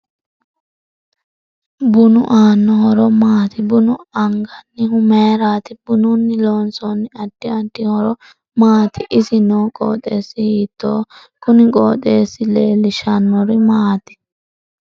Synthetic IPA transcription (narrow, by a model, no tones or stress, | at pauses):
bʊnʊʔaːnːɔhɔɾɔmaːt̪ɪbʊnʊɐŋɡɐnːɪhʊmeːɾaːt̪ɪbʊnʊnːɪloːnsɔnːɪɐd̥ːɪɐtːɪhɔɾɔ | maːt̪ɪʔɪsɪnoːkʼo̰ːt̪ʼe̞ːsːɪhiːt̪ːoː | kʊnɪkʼo̰ːt̪ʼe̞ːsːɪleːlːɪʃɐnːɔɾɪmaːt̪ɪ̥